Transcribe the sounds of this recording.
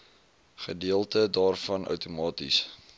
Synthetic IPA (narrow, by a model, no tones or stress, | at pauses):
χədiəlˠtədɑːrfɐnʔœ̰wtumɑːtḭs